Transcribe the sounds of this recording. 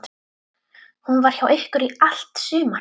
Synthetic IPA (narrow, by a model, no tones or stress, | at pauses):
hunvaɾ̥çawʔeɪhkʏɾial̥t̪syːma